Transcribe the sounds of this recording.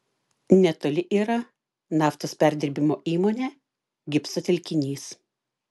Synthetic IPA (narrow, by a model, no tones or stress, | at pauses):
nʲɛt̪oːlʲɪʔiːɾɐ | nɑːft̪oːspʲæɾʲd̪ʲɪɾʲbʲɪmoːʔiːmoːnʲeː | ɡʲɪpsot̪ʲɛlʲkʲɪnʲiːs